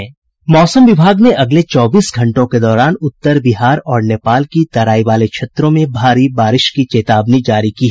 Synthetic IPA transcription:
ɦɛ̃ː | mɔːsəmʋɪbʱaːɡneʔɐɡlet͡ʃɔːbiːsɡʱɐ̃ɳʈõked̪ɔːɾaːnʊt̪ːəɾbɪɦaːɾɔːɾneːpaːlkit̪ɐɾaːiʋaːlekʃʰeːt̪ɾõmẽbʱaːɾibaːɾɪʃkit͡ʃeːt̪aːbnid͡ʒaːɾikiɦɛ

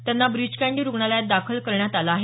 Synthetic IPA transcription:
t̪janːabɾid͡ʑkaɳɖiɾuɡɳaljad̪akʰəlkəɾɳjat̪alaːɦe

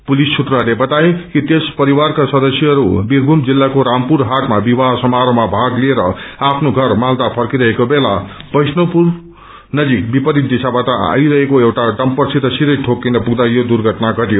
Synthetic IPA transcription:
pulisːʰut̪rʌlebʌt̪ajekit̪espʌɾiwarkasʌd̪ʌsjʌɦʌɾubiɾɡʱumd͡zilːakoɾampuɾɦaʈmabibaɦsʌmaɾomabʱaɡlieɾʌapʰnoɡʱʌrmald̪apʰʌrkiɾʌɦekobelapʌjsnopur | nʌd͡zik̚bipʌɾit̪d̪isabaʈaa̰iɾʌɦekoewʈaɖʌmpʌrsʰit̪ʌsiɾʌjʈʰokːinʌpuɡd̪ajod̪urɡʱʌʈnaɡʌʈijo

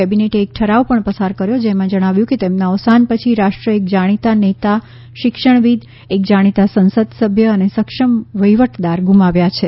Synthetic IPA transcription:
ɛbineʈeːk̚ʈʰəɾaʋpəɳpəsaɾkəɾjod͡ʒemãd͡ʒəɽ̃aʋjũket̪emnaəʋsanpət͡ʃʰiɾaʂʈɾəek̚d͡ʒaɽ̃it̪anet̪a | ʃɪkʃəɳ̃ʋid̪ | ek̚d͡ʒaɽ̃it̪asənsəd̪səbʱjəːnesəkʃəmʋəjʋəʈʰd̪aɾɡʱũmaʋjat͡ʃʰe

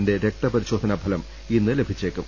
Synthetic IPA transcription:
nde̞ɾe̞k̚t̪ɐpɐɾiɕo̞ːd̪ʱɐnɐbʱɐlɐm | inːɨle̞bʱit͡ɕːeːkːum

